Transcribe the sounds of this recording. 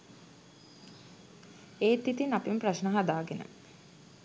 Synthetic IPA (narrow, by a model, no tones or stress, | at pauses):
eːt̪ːit̪inapimpraʃnəɦad̪aːɡenə̰